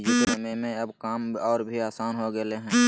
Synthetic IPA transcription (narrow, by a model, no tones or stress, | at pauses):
d͡ʒiəmemẽɐbkaːmɔːɾbʱiaːsaːnɦoɡəleɦɛ̃ː